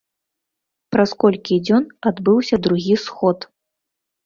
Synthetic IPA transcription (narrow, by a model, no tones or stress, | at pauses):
pɾɐskɔlʲkʲid͡zʲɔnad̪bɨwsʲɐd̪ɾuɣʲisxɔt̪